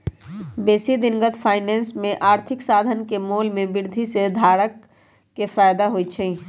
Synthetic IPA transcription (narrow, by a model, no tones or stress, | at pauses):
beːsid̪ɪnɡət̪pʰaːɪnɛːnsmẽʔaːɾt̪ʰɪksaːd̪ʱənkemoːlmẽbɪɾd̪ʱised̪ʱaːɽəkː | efaːjd̪aɦot͡ʃʰɛ